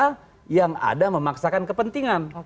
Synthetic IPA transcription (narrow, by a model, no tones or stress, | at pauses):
jaŋa̰daməmaksakankəpənt̪iŋan